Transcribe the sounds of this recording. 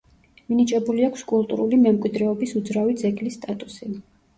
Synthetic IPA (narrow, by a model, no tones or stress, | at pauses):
minit͡ʃʼɛbuliakʷʰskʼulˠt̪ʼṵɾulimɛmkʼwid̪ɾɛɔbisud̪zɾavid̪zɛɡlisːt̪ʼat̪ʼusi